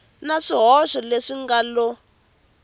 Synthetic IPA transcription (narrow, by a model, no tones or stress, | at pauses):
naʂiɦɔʃɔleʂiŋɡalɔ